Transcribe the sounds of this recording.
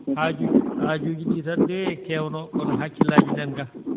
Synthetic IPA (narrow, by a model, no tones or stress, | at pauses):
had͡ʒuhaːd͡ʒoːɡiɗitadɛkɛwnɔɔnɦakːilaːd͡ʒinɛnɡa